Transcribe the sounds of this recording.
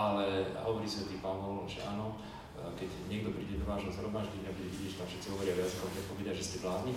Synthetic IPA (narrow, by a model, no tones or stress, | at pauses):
alɛ̰ɦɔʋɔɾisiɛt̪ipaːnnɔlʒɛ̰aːnɔ | kɛɟɲɪɛɡ̚d̪ɔpɾiːɟɛd̪ɔʋaːʒɦɔzɦɾɔmaːʒd̪iɲabuɟɛʋiɟiːʒɛt̪afʃɛt̪t͡siɦɔʋɔɾɪaɔjazikɔmp̪ɾɛt̪pɔkɛd̪aʒɛscɛvlaːzɲi